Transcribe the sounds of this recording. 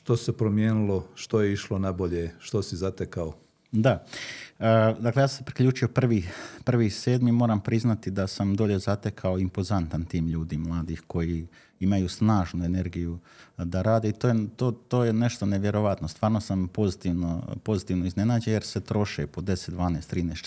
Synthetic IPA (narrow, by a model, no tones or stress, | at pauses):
ʃt̪osepɾomjeːnilˠoʃt̪ojeiʃlonaboʎeʃt̪osizat̪ekao | d̪a | əd̪aklejaːsmpɾikʎuːt͡ʃio̞pr̩ʋipr̩ʋiːse̞ːd̪mimoːɾampɾiznat̪id̪asamd̪o̞ʎe̞zat̪e̞kʰao̞impo̞zant̪ant̪iːmʎuːd̪imlˠaːd̪ixko̞ji | imajusnaːʒnue̞ne̞ɾɡijud̪aɾaːd̪e̞it̪ojet̪oːt̪oːjene̞ʃt̪o̞ne̞ʋje̞ɾo̞ʋat̪nost̪ʋaːɾno̞sampo̞zit̪iʋnopo̞zit̪iːʋnoizne̞naːd͡ʑeje̞ɾse̞t̪ɾo̞ʃḛpo̞d̪e̞set̪d̪ʋaːnest̪ɾiːnes